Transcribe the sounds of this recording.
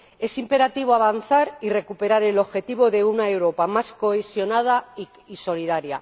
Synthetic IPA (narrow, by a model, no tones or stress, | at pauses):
e̞simpe̞ɾat̪iβ̞oaβ̞anθaɾire̞kupe̞ɾaɾe̞lo̞βxe̞t̪iβo̞ðe̞unaewɾo̞pamasko̞esjo̞nað̞a | iso̞liðaɾja̰